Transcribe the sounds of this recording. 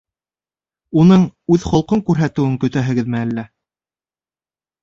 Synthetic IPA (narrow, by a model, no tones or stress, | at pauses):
unɤɴʉðχŏlˠqoɴkʉɾɦæt̪ɘ̆wɘŋkɵ̆t̪æɦɘ̆ɡɘðmɘælːæ